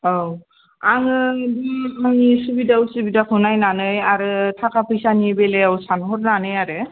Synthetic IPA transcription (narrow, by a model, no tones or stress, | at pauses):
ow | aŋɯdumaŋisubidawsɯbidakʰɯnajnanɯjaɾɯtʰakʰapʰɯjsanibeleawsanɦɔɾnanɯjaɾɯ